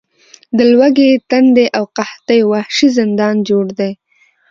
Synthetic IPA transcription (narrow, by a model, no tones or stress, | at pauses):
d̪əlwaɡet̪and̪eʔawqaht̪ajwahʃizɪnd̪ɑnd͡ʒoɽd̪aj